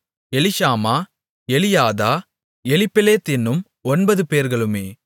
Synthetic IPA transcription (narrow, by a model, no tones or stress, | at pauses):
ɛlɪʃaːmaː | ɛlɪjaːðaː | ɛlɪpːɪleːt̪ɪnːɯm | ɔnbɐðɯpeːɾɣɐɭɯmeː